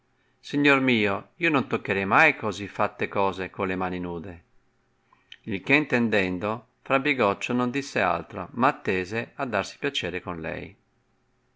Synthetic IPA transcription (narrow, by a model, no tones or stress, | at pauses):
siɲːoɾmiːoiːonont̪okːeɾɛjmajkozifːat̪ːekɔːzekolemaːninuːd̪e | ilkeint̪ɛnd̪ɛnd̪o | fɾabːiɡɔt͡ʃːonond̪isːea̰lt̪ɾo̰maːt̪ːeːzead̪ːaɾsi̥pjat͡ʃɛːɾekonlɛ̰j